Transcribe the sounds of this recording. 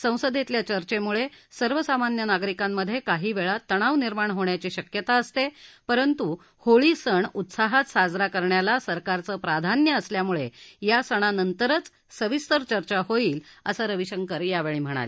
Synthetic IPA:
sə̃w̃səd̪et̪ljat͡ɕəɾt͡ɕemuɭesəɾʋəsamanjənaɡɾikamːəd̪ʱːjekaɦiːʋeɭat̪əɽ̃aʋniɾmaɳɦoɳjat͡ɕiːɕəkjət̪aəst̪epəɾənt̪u | hoɭiːsəɳut̪saɦat̪sad͡zɾakəɾɳjalasəɾkaɾt͡səːpɾad̪ʱanjəəsljamuɭejasəɽ̃anənt̪əɾət͡s | səʋist̪əɾt͡ɕəɾt͡ɕaɦoiːlə̰saɾəʋiɕəŋkəɾjaʋeɭiːm̤əɽ̃a̰le

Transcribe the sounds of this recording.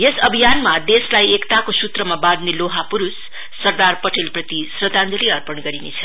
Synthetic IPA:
jesʌbʱijanmad̪eslajekt̪akosut̪rʌmabãd̪neloɦapuɾusː | ʌrd̪arpʌʈelprʌt̪isrʌt̪and̪ʌliʌrpʌɳɡʌɾinet͡sʰʌ

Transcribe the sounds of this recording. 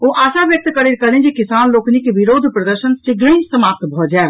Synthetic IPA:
oʔasaʋjək̚t̪kəɾeɾkəlend͡ʒekisanloknikeʋiɾod̪ʱpɾəd̪əɾʃənt͡ʃiɡɾəĩsəmap̚t̪bʱɔd͡ʒae

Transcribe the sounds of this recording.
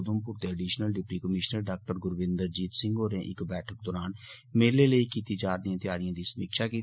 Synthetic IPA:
d̪əmpʊɾt̪eːəɖiːʃnəlɖɪpʈiːkəmɪʃnəɾɖaːk̚ʈəɾɡʊɾʋɪ̃nd̪əɾd͡ʒiːt̪sɪŋɡoːɾẽːʔɪkbɛːʈʰək̚d̪ɔːɾaːn | meːɾleːləiːkiːt̪iːd͡ʒaːɾd̪iãːt̪ɪjaːɾijãːd̪iːsəmiːkʃaːkiːt̪

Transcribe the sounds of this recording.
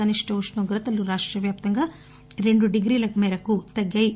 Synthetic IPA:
ɐniʂʈʰɐuʂnuːɡɾɐt̪ɐlːuɾaːʂʈɾɐʋjaːp̚t̪ɐŋɡɐ | ɾeɳɖuɖiɡɾiːlɐkmeːɾɐkut̪ɐɡjɐj

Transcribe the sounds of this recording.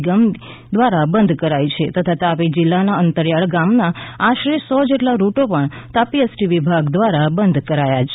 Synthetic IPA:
ɡəm | d̪ʋaɾabənd̪ʱkəɾajt͡ʃʰet̪ət̪ʰat̪apid͡ʒɪlːanaənt̪əɾjaɭɡamnaaʃɾesɔd͡ʒeʈlaɾuʈopəɳt̪apiesʈiʋibʱaɡd̪ʋaɾabənd̪ʱkəɾajat͡ʃʰe

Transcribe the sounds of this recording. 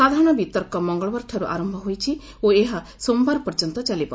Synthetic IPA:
sad̪ʱaɾɔɽ̃ɔbit̪ɔɾkɔmɔŋɡɔɭɔbɔɾʈʰɔɾuʔa̰ɾɔmbʱɔɦojt͡ʃʰi | oeɦa | sombaɾpɔɾd͡ʒɔnt̪ɔt͡ʃalibɔ

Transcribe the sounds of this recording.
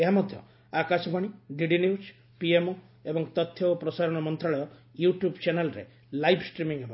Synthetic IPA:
eɦamɔd̪ʱjɔ̰ | akasɔbaɽ̃iɖiɖinius | piemo | ebɔŋt̪ɔt̪ʰːjɔopɾɔsaɾɔɽ̃ɔmɔnt̪ɾaɭɔjɔjuʈjubt͡ʃanelɔɾḛ | lajbʰʱsʈɾimiŋɦebʱa

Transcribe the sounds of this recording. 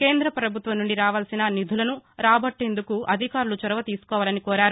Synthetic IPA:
ke̞ːnd̪ɾɐpɾɐbʱut̪ʋɐmnːuɳɖiɾaːʋaːlsinɐnid̪ʱulɐnuɾaːbɐʈːe̞ːnd̪ukuʔɐd̪ʱikaːɾulut͡ʃɔɾɐʋɐt̪iːsu̥kɔːʋaːlɐnikɔːɾaːɾu

